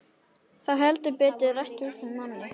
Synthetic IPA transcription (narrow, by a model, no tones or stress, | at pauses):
θawɦɛlt̪ʏpɛːt̪ɪðrast̪ʏsɪnmanːɪ